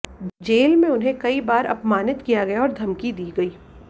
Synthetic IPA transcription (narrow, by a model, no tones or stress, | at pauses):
d͡ʒeːlmẽʊnɦẽkɐibaːɾʔɐ̰pmaːnɪt̪kijaɡɐjaɔːɾd̪ʱɐmkid̪iːɡɐiː